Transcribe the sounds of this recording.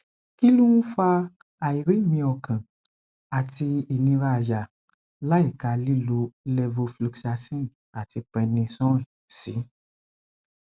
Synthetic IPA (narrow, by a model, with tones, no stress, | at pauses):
ki˦lũ˦nũ˦fa˧ | a˨i˨ɾi˨˦˨mĩ˧ɔ˨kã˨ | a˨ti˧i˨nĩ˧ɾa˧˨ja˨ | la˦i˦˨ka˧li˦lu˧˦lɛ˧vo˧flu˧ksa˧sĩ˦n˨ | a˨ti˧pɛ̃˧nĩ˧sɔ̃˦˨ | si˨˦